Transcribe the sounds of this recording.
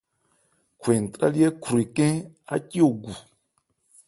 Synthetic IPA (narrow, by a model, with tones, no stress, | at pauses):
kʰwe˨n̩˨tɾa˦li˦ɛ˦kʰu˨ɾi˨kɛ̃˦a̰˦ki˦o˨ɡu˨